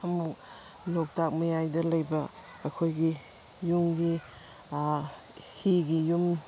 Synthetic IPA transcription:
ɐmuk | nok̚tak̚mɐjajdɐlɐjbɐː | kʰojɡi | juŋɡi | hiɡijum

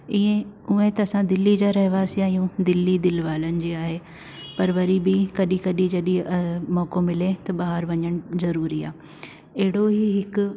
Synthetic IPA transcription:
iẽuẽt̪ɐːsãd̪ɪlːid͡ʑaːɾɐɦɪʋaːsiaːɦijũd̪ɪlːid̪ɪlʋaːlənɪ̆d͡ʑiːaːɦe | pɐɾʋɐɾibɪkɐɗĩkɐɗĩd͡ʑɐɗĩmɔːkomɪlẽt̪ɐɓaːɦəɾʋɐɲəɽ̃ʊzɐɾuːɾia̰ː | ɐɦɪɽoɦiɦɪkʊ̆

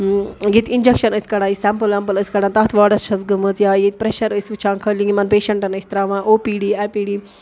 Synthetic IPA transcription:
jit̪ʲind͡ʒekʃɐnəsʲkɐɽaːjisɛmpɨlɛmpɨləsʲkɐɽãnt̪ɐt̪ʰʋaːɖɐsʃʰɐzɡɨmət͡sjaːjit̪̚ʲpɾeʃɐɾəsʲʋɨt͡ʃʰaːnkʰəlʲiŋimɐnpeːʃɐɳʈɐnəsʲt̪ɾaːʋãːʔoːpiːɖiːɛːpiːɖiː

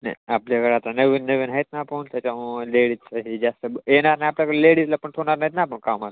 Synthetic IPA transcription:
nɐ̰japljakəɾat̪anəʋinːəʋinɦajt̪naːpənt̪jat͡ɕaleɽisaɦid͡zast̪əbenaɾnajapljakəleɽislapəɳʈʰoɽ̃aɾnait̪nap̬əɳkama

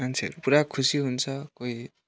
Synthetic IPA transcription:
mansʰḛɾpuɾakʰusiɦunsʰʌkoj

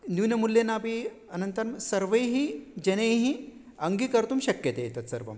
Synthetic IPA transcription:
nuʋnɐmulːenːaːpi | ɐnɐnt̪ɐɾmsɐɾʋɐjɦid͡ʑɐnejɦi | ɐŋɡikɐɾt̪uːmɕɐkjɐt̪ejet̪ɐt̪sɐɾʋɐ̰m

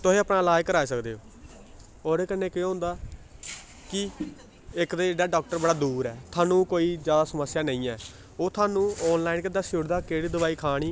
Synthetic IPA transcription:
t̪ʊɦẽːəpɳaːlaːjkəɾaːeːsəkd̪eːoː | oːɾeːkənːẽːkɪjõːɦʊ̃nd̪aː | kɪ | ɪkd̪eːd͡ʒeːɖaːɖaːk̚ʈəɾbəɽaːd̪uːɾɛːt̪ʰaːnũːkoːiːzjaːd̪aːsəməsːjaːnə̃ĩːɛː | oːt̪ʰaːnũːɔːnlaːɪnkɪd̪aːsʊɽd̪aːkeːɽiːd̪əʋaːiːkʰaːɽ̃iː

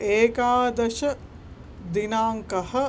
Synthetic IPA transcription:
eːkaːd̪ɐʃɐ | d̪inaːŋkɐhɐ

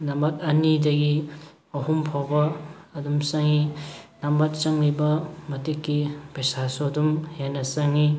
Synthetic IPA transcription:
nɐmbɐt̚ɐnidɐɡi | ɐhumpʰawbɐːdumsɐŋinɐmbɐt̚t͡ʃɐŋlibɐmɐtikːipesasodumhenɐsɐŋi

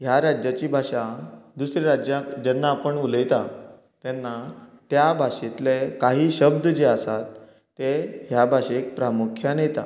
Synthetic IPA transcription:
ɦjaɾad͡ʑjat͡ɕiːbʱaʂãd̪usɾeɾad͡ʑjãkd͡ʑɛnːaːpəɳuləjt̪a | t̪ɛnːat̪jabʱaɕet̪lekaɦiːɕəb̚d̪d͡ʑeasat̪ː | eɦjabʱaɕek̚pɾamukʰjanejt̪a̰

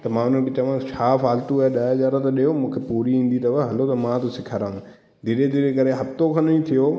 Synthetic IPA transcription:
t̪ɐmãːʊn̤ən̆kɪt͡ɕɐʋãt͡ɕʰaːfaːlt̪uːɗaːd͡ʑaːɾat̪ɐɗijomũːkʰepuːɾiĩːn̆d̪it̪ɐʋɐɦɐlot̪ɐmãt̪osɪkʰəɾaːũ | d̪ʱiɾed̪ʱiɾekɐɾeɦɐft̪okʰɐnĩt̪ʰijo

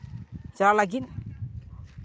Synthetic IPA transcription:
d͡ʒalaɡin

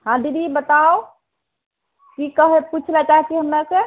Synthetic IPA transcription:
hãd̪id̪ibət̪ao | kikəɦeput͡ʃʰlɛt͡ʃaɦit͡ʃʰiɦəmːase

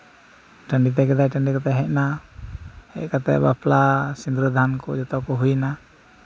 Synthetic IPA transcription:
ʈəɳɖit̪̬ɛkɛd̪ajʈəɳɖikat̪ɛɦɛʔna | hɛ̰ʔkat̪ɛ̰ba̰plasind̪ɾud̪ankɔ̰d͡ʒɔt̪ɔkɔɦujna

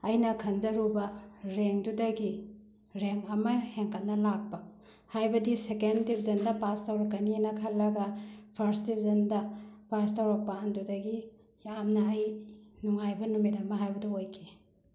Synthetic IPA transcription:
ɐjnɐkʰɐnd͡ʒɐɾubɐɾeŋdudɐɡi | ɾeŋɐmɐheŋkɐtnɐlak̚pɐ | hajbɐdisekentip̚ʰzɐndɐpastawɾɐkːɐninɐkʰɐlːɐɡɐpʰɐɾstip̚ʰzɐndɐpastawɾɐk̚paːndudɐɡi | jamnɐːjnuŋajbɐnumidɐmɐɦajbɐduojkʰe

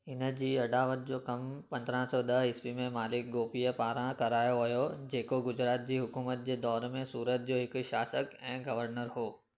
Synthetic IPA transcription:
ɪnd͡ʑiːɐɖaːʋət̪̚d͡ʑokɐmpɐ̃nd̪ʱɾãsɔd̪ɐɦɪspimẽmaːlɪk̚ɡoːpijəpaːɾãkɐɾaːjoɦɐjod͡ʑeːkoɡʊd͡ʒɾaːt̪̚d͡ʑiːɦʊkuːmət̪̚d͡ʑed̪ɔːɾmẽsuːɾət̪̚d͡ʒoːɦɪkʃaːsəkɛ̃ːɡɐʋəɾnəɾɦoː

